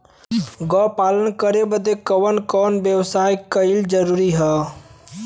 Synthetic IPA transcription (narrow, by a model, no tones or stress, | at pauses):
ɡɔːpaːlənkəɾebəd̪ekəʋənkɔːnbjəwsaːjkəɪld͡ʒəɾuːɾiɦɛ